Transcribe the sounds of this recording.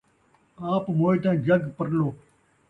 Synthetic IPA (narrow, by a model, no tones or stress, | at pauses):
aːpmoːiʈ̪ãːd͡ʒəɡpəɾloː